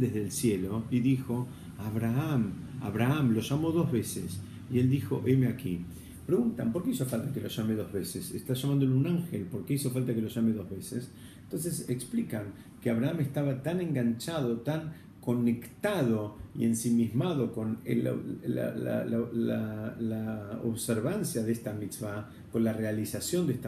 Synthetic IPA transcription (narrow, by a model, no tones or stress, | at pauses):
d̪ezðelsjelo̞iðixo̞ | aβɾaam | a̰βɾaamlo̞ʒamo̞ðo̞zβe̞ses | ield̪ixo̞̰ʔemeaki | pɾeɣunt̪ampo̞ɾkeiso̞falt̪akeloʒameðo̞zβesesest̪aʒ̥amãnd̪olunaŋxelpo̞ɾkeiso̞falt̪akelo̞ʒameðo̞zβeses | ent̪o̞ns̬eseksplikaŋ | keaβɾaamest̪aβat̪anẽ̞ŋɡant͡ʃað̞o̞t̪aŋ | ko̞ne̞kt̪aðo̞ḭensimizmaðo̞ko̞nḛl̰ | la̰lalalao̰βseɾβansjaðest̪amit͡sβa | ko̞nlarealisasjo̞nd̪eest̪a